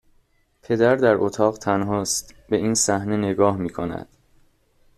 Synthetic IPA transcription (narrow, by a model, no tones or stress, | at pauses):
pʰe̞d̪æɾd̪æɾʔot̪ʰɒːɣt̪ʰænɦɒːst̪be̞iːnsæhne̞ne̞ɡɒːhmiːkʰonæ̰d̪̥